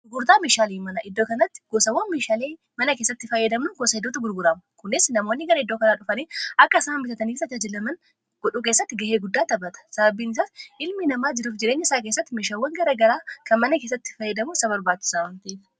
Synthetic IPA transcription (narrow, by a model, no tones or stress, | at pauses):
ʊɡʊɾt̪aːmeːʃaːliːmɐnɐʔɪd̪ːoːkɐnɐt̪ːɪ̥ɡ̥oːsɐwːɐnmeːʃaːle̞ː | mɐnɐke̞ːsːɐt̪ːɪfɐjːɛd̪ɐmnʊɡosɐɪd̪ːoːt̪ɐɡʊɾɡʊɾɐmʊkʊnɪsnɐmoːnːɪɡɐɾɐɪd̪ːoːkɐnaːᶑʊfɐneːʔɐkːɐɪsaːmbɪt̪ɐt̪ɐniːfɐd͡ʒɐd͡ʒɐlɐmɐn | ɡ̥ɔᶑuːkeːsːɐt̪ːɪɡɐheːɡʊd̪ːaːt̪ɐbɐt̪ɐ̥sɐbɐbːiːnɪs̬asɪlmɪnɐmaːd͡ʒɪɾuːfd͡ʒɪɾeːɲːɐɪsaːkeːsːɐt̪ːɪmeːʃaːwːɐŋɡɐɾɐɡɐɾaːkɐnmɐnɐkeːs̬ːɐt̪ːɪ̥fɐjːɛd̪ɐmʊɪsɐβɐɾbaːt͡ʃːɪ̥saːwɐnt̪ɐeːf